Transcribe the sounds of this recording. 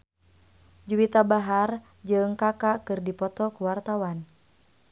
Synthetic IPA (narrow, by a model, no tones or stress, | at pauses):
d͡ʒuwit̪abaɦar | d͡ʒɨŋkakakɨrdipɔt̪ɔkuwart̪awan